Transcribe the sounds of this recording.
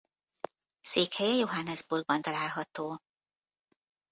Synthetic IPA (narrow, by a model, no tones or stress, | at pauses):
seːkhɛjɛjoɦanːɛzburɡ̚bɒnt̪ɒlaːlɦɒt̪oː